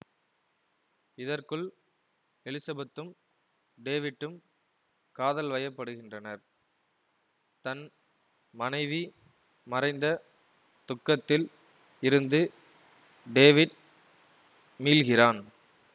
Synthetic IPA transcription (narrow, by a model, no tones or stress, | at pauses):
ɪðɐrkɯɭ | ɛlɪsɐbɐt̪ːɯm | ɖeːʋɪʈːɯm | kaːðɐlʋɐjɐpːɐɽɯɣɪndrɐnɐɾ | t̪ɐn | mɐnɐɪʋi | mɐrɐɪnd̪ɐ | t̪ʊkːɐt̪ːɪl | ɪɾɯnd̪ɯ | ɖeːʋɪɖ | miːlɣɪraːn